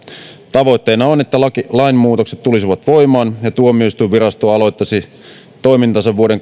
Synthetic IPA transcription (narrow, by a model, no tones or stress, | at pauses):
t̪ɑʋo̞it̪ːe̞ːnɑone̞t̪ːælɑkilɑinmuːt̪o̞kset̪t̪ːulisiʋɑt̪ʋo̞jmɑːnjɑt̪uomiyøist̪uiʋʋiɾɑst̪oɑlo̞jt̪ːɑsi | t̪o̞imint̪ɑsɑʋʋuoɾe̞ŋ